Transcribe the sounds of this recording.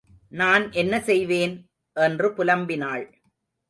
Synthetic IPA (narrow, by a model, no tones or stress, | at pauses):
naːnʔɛnːɐsɛjʋeːn | ʔɛndrɯpʊlɐmbɪnaːɭ